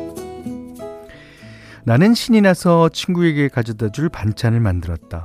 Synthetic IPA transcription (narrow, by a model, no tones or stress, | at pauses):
nanɯnɕʰiɲinasʰʌt͡ɕʰinɡue̞ɡe̞kad͡ʑʌdad͡ʑuɭpant͡ɕʰanɯɭmandɯɾʌt̚t͈a